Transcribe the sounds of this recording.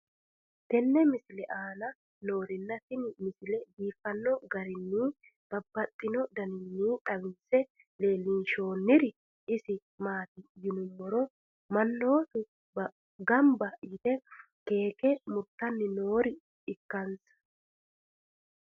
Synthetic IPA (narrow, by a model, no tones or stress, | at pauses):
t̪ɛnːɛmɪsɪlɛʔaːnɐ | no̞ːɾɪnːɐt̪ɪnmɪsɪlɛbiːfɐnːɔɡɐɾɪnːiː | b̥ɐbːɐt̪ʼːɪnɔd̪ɐnɪnːiːt̪ʼɐwɪnsɛ | le̞ːliːʃo̞ːnːɪɾɪ | ɪsɪ | maːt̪ɪjɪnʊmːɔɾɔ | mɐnːo̞ːt̪ʊ | ɡɐmbɐjɪt̪ɛ | ke̞ːkɛmʊɾt̪ːɐnːɪno̞ːɾɪ | ɪkːɐnsɐ̥